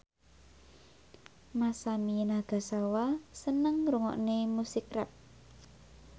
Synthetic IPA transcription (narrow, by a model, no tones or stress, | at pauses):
masaminaɡ̥a̤sawasənəŋɾuŋɔ̰ʔnemusɪkrɛ̰p̚